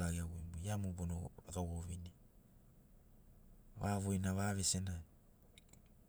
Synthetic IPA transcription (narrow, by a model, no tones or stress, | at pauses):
aɡiawembojamubonoakawoβini | βaβojnaβaβesenaj